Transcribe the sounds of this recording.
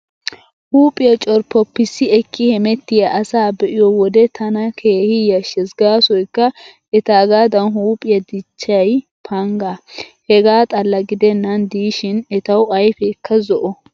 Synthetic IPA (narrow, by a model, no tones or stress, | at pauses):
huːpʼɪjɐt͡ʃʼɔɾpːɔpːɪsːɪɛkːɪhɛmɛt̪ːɪjɐʔɐsaːbɛʔɪjɔwɔd̪ɛt̪ʰɐnɐkʰeːhɪjɐʃɛsɡaːsɔjkːɐ | ɛt̪aːɡaːd̪ɐnɦuːpʼɪjɐd̪ɪt͡ʃːɐjpʰɐŋɡahɛɡaːt̪ʼɐlːɐɡɪd̪ɛnːɐnd̪iːʃɪnɛt̪ɐwɐjfɛkːɐzɔʔɔ